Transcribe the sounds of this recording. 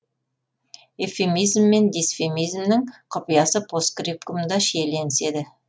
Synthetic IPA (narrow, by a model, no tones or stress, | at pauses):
efemijzmːe̞nd̪isfemijzmnɪŋqʰʊpijɑsəpʰoskɾip̚kʊmd̪ɑʃele̞nɪse̞d̪ɪ